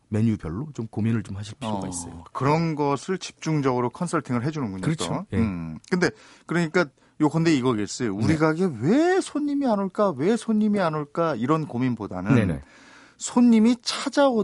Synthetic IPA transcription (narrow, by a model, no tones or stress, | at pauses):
me̞ɲubjʌɭːot͡ɕomkominɯɭt͡ɕomhaɕʰiɭpʌoɡa̰is͈ʌ̰jo̰kɯɾʌnɡʌsʰɯɭt͡ɕi̥p̚t͡ɕ͈uŋd͡ʑʌɡɯɾokʰʌnsʰʌɭtʰiŋɯɭɦe̞d͡ʑunɯnɡuɲo̰ | kɯnde̞ | kɯɾʌɲik͈a | jokʌnde̞iɡʌɡes͈ʌjouɾiɡaɡe̞we̞sʰoɲːimianoɭk͈awe̞sʰoɲːimianoɭk͈aiɾʌnkominboda̰nɯn̰ | sʰoɲːimit͡ɕʰad͡ʑao